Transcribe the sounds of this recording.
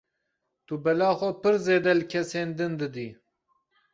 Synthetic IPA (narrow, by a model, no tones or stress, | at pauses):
t̪ubɛlɑːxʷɔpɨɾzeːd̪ɛlɨkʰɛseːnd̪ɨnd̪ɨd̪iː